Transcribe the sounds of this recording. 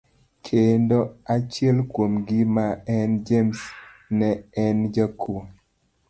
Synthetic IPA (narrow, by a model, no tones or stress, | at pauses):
kʰendoat͡ʃjɛlkwomɡɪmaɛnd͡ʒemsnɛɛnd͡ʒakʰu